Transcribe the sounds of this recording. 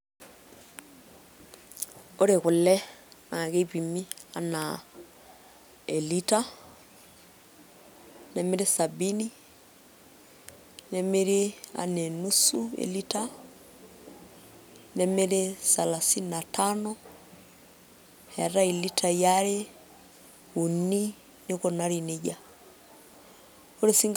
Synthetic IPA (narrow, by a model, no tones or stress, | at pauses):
oɾeɣulɛnaɣeβimiana | elita | nɛmeɾesabini | nɛmeɾea̰nɛnusuɛ̰lita | nɛmeɾesalasinnatʰanɔ | hɛɾailitajaɾe | uni | nikɔnaɾineɟa | oɾesiŋ